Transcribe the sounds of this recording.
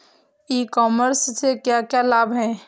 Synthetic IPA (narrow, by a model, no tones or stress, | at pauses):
iːkɔːməɾssekjakjalaːbɦɛ̃ː